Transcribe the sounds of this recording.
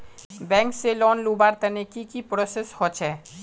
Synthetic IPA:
bɛ̃ːŋkselɔːnlubaɾt̪ənekikipɾoseshɔt͡ʃʰɛ

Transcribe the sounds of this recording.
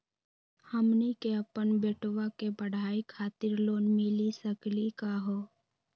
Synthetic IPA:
həmnikeəpənbeːʈʋakebəɽ̤ʱaːikʰaːt̪ɪɾloːnmɪlisəklikaɦoː

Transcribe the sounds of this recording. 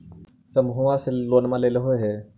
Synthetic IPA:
səmbʱuwaselonmãleleɦojɦɛ

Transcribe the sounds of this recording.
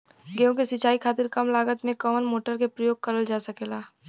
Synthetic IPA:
ɡejõkesɪt͡ʃaːikʰaːt̪ɪɾkɐmlaːɡət̪mẽkɔːənmoːʈəɾkepɾɐjoːɡ̚kɐɾəld͡ʒaːsɐkeːlaː

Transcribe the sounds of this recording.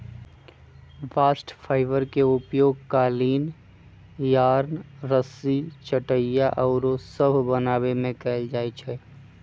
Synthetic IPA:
ʋaːsʈpʰaːɪʋəɾkeʊpjoːɡ̚kaːliːn | jaːɾnɾəsit͡ʃəʈəjjaʔɔːɾosəbʱbənaːbemẽkɛːɪld͡ʒaːit͡ʃʰɛ

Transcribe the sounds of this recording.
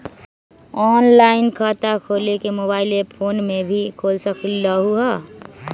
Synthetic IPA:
ɔːnlaːɪnkʰaːt̪akʰoːlekemoːβaːɪlepʰoːnmẽbʱikʰoːlsəkləɦuɦə

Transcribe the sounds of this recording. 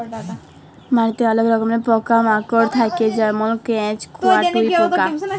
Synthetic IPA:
maɾit̪eɔloɡɾɔkomepɔkamakoɾt̪ʰaked͡ʑɔɾmolkɛ̃t͡ɕkuaʈujpɔka

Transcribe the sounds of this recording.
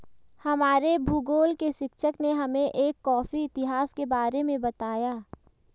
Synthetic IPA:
hɐmaːɾebʱuːɡoːlkeʃɪkʃəkneɦɐmẽʔeːkːɔːfiɪt̪ɪɦaːskebaːɾemẽbɐt̪aːjaː

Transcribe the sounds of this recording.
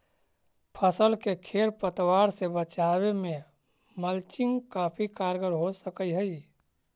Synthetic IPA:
pʰəsəlkekʰeːɾpət̪waːɾsebət͡ʃaːwemẽ | məlt͡ʃɪŋɡkaːpʰikaːɾɡəɾɦosəkəiɦəi

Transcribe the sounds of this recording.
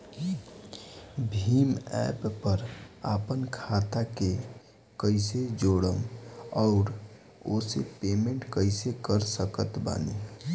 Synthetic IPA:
bʱiːmɛ̰ːpːəɾaːpənkʰaːt̪ake | kəɪsed͡ʒoːɽəmɔʊɾ | oːsepeːmẽɳʈkəɪsekəɾsəkət̪ba̰ːne

